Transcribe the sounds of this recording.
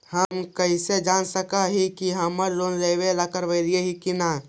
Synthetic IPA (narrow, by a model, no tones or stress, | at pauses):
həmkəised͡ʒaːnsəkaɦikiɦɐməɾloːnɾeʋelakəɾʋəɪɾieɦikina